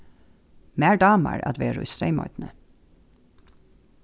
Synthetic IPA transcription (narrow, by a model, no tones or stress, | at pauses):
mæːɹɖɑːmə̰ɹɑ̰d̪ʋeːɹʉ̰sɾeɪmɔ̰ʏd̪n̩ə